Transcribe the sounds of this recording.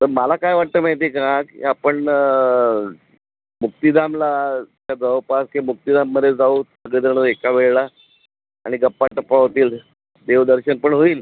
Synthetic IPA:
t̪əɾmalakajʋaʈ̚t̪əmajt̪̬ekãkḭapəɳ | muk̚t̪id̪amlat̪jad͡zaʋpaskemuk̚t̪id̪amːəd̪ʱed͡zaussəɡɭed̪əɾɳəekaʋeɭla | a̰ɽ̃iɡəpːaʈəpːaɦot̪iːl | d̪eʋd̪əɾɕənpəɳɦoiːl

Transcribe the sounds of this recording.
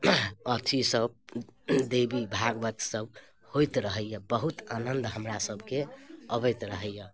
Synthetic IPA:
ət̪ʰisəb̚ | d̪ebibʱaɡbət̪səb | hojt̪ɾəɦəjjəbəɦut̪anənd̪ɦəmɾasəbʱkeəbəjt̪ɾəɦəjə

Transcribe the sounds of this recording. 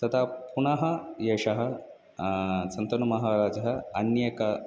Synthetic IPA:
t̪ɐt̪ʰapunɐɦɐjeʂɐɦɐ | t͡sɐnt̪ɐnumɐɦaɾaːd͡ʒɐɦɐɐnjekɐ

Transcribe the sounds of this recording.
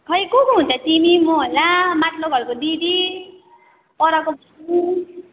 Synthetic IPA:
kʰʌjkokuɦunt͡sʰʌt̪imimoɦolamat̪loɡʱʌɾkod̪id̪i | pɔɾakobʱ | u

